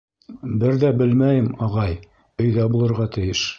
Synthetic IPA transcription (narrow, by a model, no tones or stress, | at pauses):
bɘɾðæbɘlmæjɘmɑʁɑj | ɵ̆jðæbulˠɤ̆ɾʁɑt̪ɘ̆jɘʃ